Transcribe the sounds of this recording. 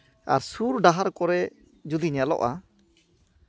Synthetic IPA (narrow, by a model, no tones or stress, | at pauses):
a̰ɾsuɾɖaɦaɾkɔɾɛ | d͡ʒud̪iɲalɔ̰ʔa